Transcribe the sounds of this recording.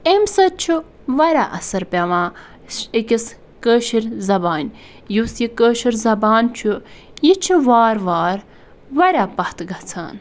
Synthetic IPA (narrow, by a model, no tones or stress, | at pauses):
emsɐt͡ʃʰu | ʋɐɾʲa̰ːʔɐsɐɾpʲaʋãː | ikʲis | kəːʃiɾʲzɐbaːnʲ | jusjikəːʃiɾʲzɐbaːnt͡ʃʰu | jit͡ʃʰiʋaːɾʋaːɾ | ʋɐɾʲaːpɐht̪ɡɐt͡sʰa̰ːn